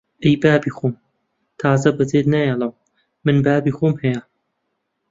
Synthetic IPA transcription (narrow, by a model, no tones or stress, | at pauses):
ʔejbaːbiːxoːm | t̪ʰaːzɐbɐd͡zeːd̪najɐlˠɐw | mɨnbaːbiːxoːmhɐjɐ